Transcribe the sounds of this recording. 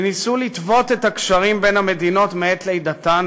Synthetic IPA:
nisulit̪vo̞t̪e̞thakʃaʁimbe̞nhame̞dino̞tmeet̪lejdatan

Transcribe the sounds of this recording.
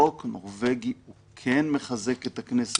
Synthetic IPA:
oknoʁveɡiu | kʰenmeχaze̞ket̪aknes

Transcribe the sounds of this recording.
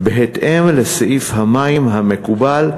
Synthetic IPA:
beɦet̪ʔemleseʔifhamaimɦame̞kubal

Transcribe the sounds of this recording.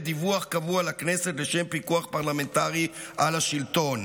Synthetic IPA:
d̪ivuaχkavualakneset̪leʃempikuaχpaʁlame̞nt̪aʁiʔalaʃilt̪o̞n

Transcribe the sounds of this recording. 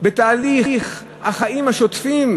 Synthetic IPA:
bet̪aːliχ | haχaimhaʃot̪fim

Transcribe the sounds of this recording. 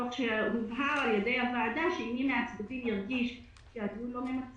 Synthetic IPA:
oχʃehuvɦaʁaljed̪ejhavaad̪aʃeimimeat͡sbadimjiʁɡiʃ | ʃejad̪ulomemat͡s

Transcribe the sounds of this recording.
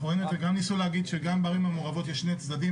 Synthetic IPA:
oenet̪veɡamnisuleaɡid̪ʃeɡambaʁimamoʁavo̞t̪jɛʃnet͡sd̪ad̪i

